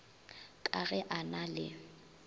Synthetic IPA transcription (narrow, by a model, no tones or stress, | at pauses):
kʼaɣɛʔanalɪ̰